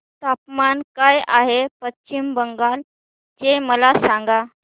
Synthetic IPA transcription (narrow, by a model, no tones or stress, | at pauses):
t̪apmankajaɦepətt͡ɕimbəŋɡal | t͡ɕeməlasãŋɡa